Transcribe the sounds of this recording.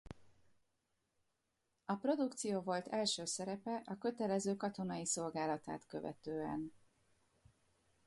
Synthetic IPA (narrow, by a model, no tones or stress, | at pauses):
ɒpro̞d̪ukt̪sijoːvo̞lt̪ʰɛlʃøːsɛɾɛpɛʔɒkø̞t̪ɛlɛzøːkɒt̪o̞nɒjiso̞lɡaːlɒt̪a̰ːt̪kø̞vɛ̰t̪øːɛ̰n